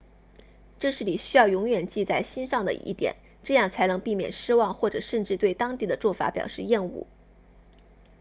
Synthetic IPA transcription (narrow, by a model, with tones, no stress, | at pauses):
ʈ͡ʂɤ˥˧ʂɻ̩˥˩li˨˩ɕy˥jɑ˥˩ʊjʊ˧˥ŋɥɛ˨˩nt͡ɕi˥˧t͡sa˥˩ɪɕi˥nʂɑ˥˩ŋd̪ə̰˩ʔḭ˥˩t̪jɛ̰˨˩˦n | ʈ͡ʂɤ˥˧jɑ˥˩ŋt͡sʰa˧˥nɤ˧˥ŋpi˥˩mjɛ̰˨˩nʂɻ̩˥wɑ˥˧ŋxwɔ˥˩ʈ͡ʂɤ˨˩ʂə˥˧nʈ͡ʂɻ̩˥˧t̪we˥˩ɪt̪ɑ˥ŋt̪i˥˩d̪ə˩t͡swɔ˥˩fa̰˧˥pjɑ̰˨˩ʊʂɻ̩˥˧jɛ˥˧nṵ˥˩